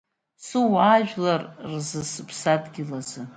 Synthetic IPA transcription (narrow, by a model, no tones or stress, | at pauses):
suwaːʒᶣlarrzɨsɨpʰsadʼɡʲɪlazɨ